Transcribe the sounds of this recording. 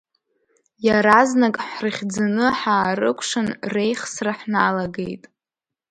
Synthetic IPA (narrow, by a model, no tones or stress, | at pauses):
jaɾaznakʼħrɨχʲd͡zanɨħaːɾɨ̰kʷʰʼʂɨnre̞jχsraħnalaɡejtʼ